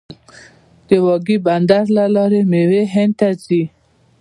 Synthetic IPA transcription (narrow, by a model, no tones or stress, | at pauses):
d̪̥əwɑɡiband̪aɾlalɑɾemeweɦent̪at͡si